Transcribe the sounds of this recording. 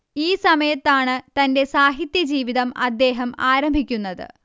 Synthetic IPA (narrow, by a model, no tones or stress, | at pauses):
iːsɐmɐjɐt̪ːaːɳɨt̪ɐnde̞saːɦit̪jɐd͡ʑiːʋiðɐmɐd̪ːe̞ːɦɐmaːɾɐmbʱikʲːunːɐðɨ̰